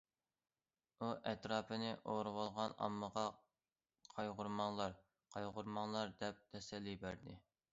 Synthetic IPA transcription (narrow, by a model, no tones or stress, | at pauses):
uʔɛt̪ɾɑːpʰɨnɪʔoɾɨwɑlˠʁɑnɑ̰mːəʁɑ | qʰɑjʁʊɾmɑŋlˠɑɾ | qʰɑjʁʊɾmɑŋlˠɑɾd̪ɛp̚t̪ʰɛsɛlːibæɾd̪ɪ